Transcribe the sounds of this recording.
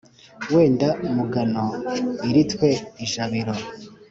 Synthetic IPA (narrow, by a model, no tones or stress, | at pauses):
we̞ːndamuɡanoiɾitwe̞iʒaβiɾo